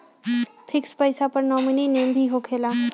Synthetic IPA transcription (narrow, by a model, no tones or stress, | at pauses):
pʰɪkspəjsapəɾnɔmunineːmbʱiɦokʰeːla